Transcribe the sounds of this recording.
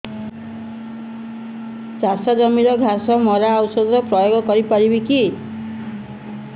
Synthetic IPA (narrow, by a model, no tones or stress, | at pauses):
d͡zasad͡zʌmiɾʌɡʱasʌmɔɾaawsɔd̪ɾʌprʌjoɡɔkʌɾipaɾibiki